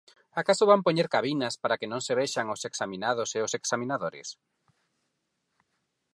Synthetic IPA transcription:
akasoβampoɲeɾkaβinɐspaɾakenõŋseβeʃaŋoseksamĩnað̞oseoseksamĩnaðoɾɪ̰s

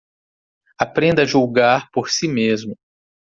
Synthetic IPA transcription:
apɾẽnd̪ɐʒuwɡaɾpoɾsimezmʊ

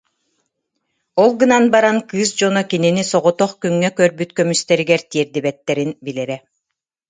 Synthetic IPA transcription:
ɔlˠɡɯnanbaɾankɯːsd͡ʑɔnɔkininisɔʁɔt̪ɔχkyŋːɛkœɾbyt̪kœmyst̪ɛɾiɡɛɾt̪iɛɾd̪ibɛt̪ːɛɾinbilɛɾɛ

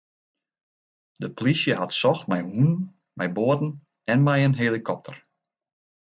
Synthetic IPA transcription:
dəplisjəɦatsɔxtmɛjhunən | mʔɛjboətn̩ | ɛnmɛjənɦelikʰɔp̚tʰər

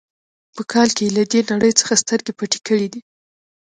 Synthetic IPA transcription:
pəkʰɑlkelad̪enaɽəjt͡sə̥xast̪əɾɡepaʈe̥kəɽid̪i

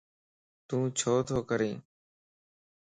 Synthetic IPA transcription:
t̪ũːt͡ʃʰoːt̪ʰoːkəɾĩː

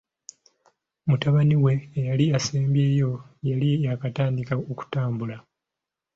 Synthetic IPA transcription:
mutaβaniwe̞jaliaseːmbje̞ːjo̞jaliakataːndikaoku̥taːmbula

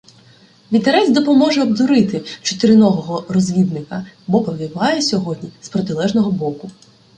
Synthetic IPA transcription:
ʋʲint̪eɾɛzd̪ɔpɔmɔʒɛɔbd̪ɔɾɪt̪ɪt͡ʃɔ̥t̪ɪɾɪnɔʋɔɦɔrɔzʲʋʲid̪nɪkɐbɔpɔʋʲiʋɑjɛsʲɔɦɔdʲnʲispɾɔt̪ɪlˠɛʒnɔɦɔbɔkʊ

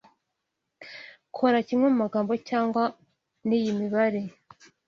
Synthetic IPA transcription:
kʰoɾacimŋemumaɡaːmbo̞caːŋɡwa | niːjimiβaɾe

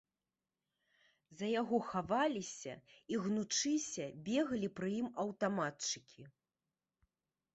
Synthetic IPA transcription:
zɐjaɣɔxavalʲisʲɐ̰iɣnut͡ʂɨsʲɐbʲɛɣɐlʲipɾɨjimɐwt̪amatt͡ʂɨkʲʰi

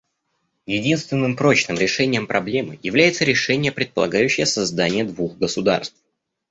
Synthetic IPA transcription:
jɪdʲinst̪vʲɪnːɨmpɾo̞t͡ɕnɨmɾʲɪʂɛnʲɪjəmpɾʔɐblʲe̞mɨ̰jɪvlʲæjɪt̪səɾʲɪʂɛnʲɪjəpɾʲɪt̪̚pəlˠɐ̰ɡajʉɕːɪjəsɐzd̪anʲɪjəd̪vuxɡəsʊd̪a̰rst̪f

